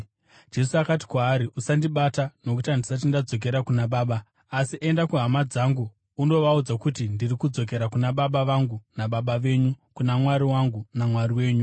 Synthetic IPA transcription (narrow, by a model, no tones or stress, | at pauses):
d͡ʒe̞suakat̬i̥kwaːɾiʔusandiɓatano̞k̬utandisat̬indad͡zo̞k̬e̞ɾakunaɓaːɓaː | siʔe̞ndakuɦamad͡zaːŋɡuː | no̞ʋaud͡zakutindirikud͡zo̞k̬e̞ɾakunaɓaɓaʋaŋɡunaɓaɓaʋe̞ːɲukunamwaɾiwaŋɡunamwariwe̞ːɲu